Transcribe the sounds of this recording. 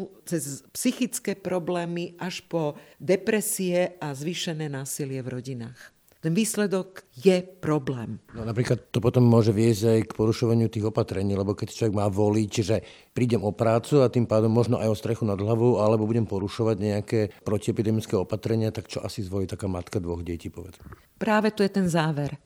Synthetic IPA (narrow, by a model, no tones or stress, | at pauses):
t͡sɛzpsixit͡skɛːpɾɔblɛːmiʔaʃpɔd̪ɛpɾɛsiɛazʋiːʃɛnɛːnaːsilɪɛvɾɔɟinaːx | t̪ɛnʋiːslɛd̪ɔɡjɛpɾɔblɛːmnɔnapɾiːklat̪ːɔpɔt̪ɔmːʊɔʒɛʋɪɛzɟajkpɔɾuʃɔʋaɲɪut̪iːɣɔpat̪ɾɛɲiːlɛbɔkɛct͡ʃlɔʋɛɡmaːʋɔlicʒɛ | pɾiːɟɛmɔpɾaːt͡suat̪impaːd̪ɔmːɔʒnɔʔa̰jɔst̪ɾɛxunad̪ɦlaʋɔʊalɛbɔbuɟɛmpɔɾuʃɔʋaɟɲɛakɛːpɾɔciɛpid̪ɛmit͡skɛɔpat̪ɾɛɲɪat̪akt͡ʃɔʔasizʋɔliːt̪akaːmat̪kad̪ʋɔɣɟɪɛciːpɔʋɛd͡zmɛ | pɾaːʋɛt̪ujɛt̪ɛnzaːʋɛɾ